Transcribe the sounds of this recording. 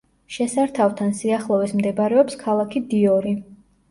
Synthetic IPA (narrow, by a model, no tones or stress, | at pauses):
ʃɛsaɾt̪ʰaft̪ʰansiaχlˠɔvismd̪ɛbaɾɛɔpskʰalˠakʰid̪iɔɾi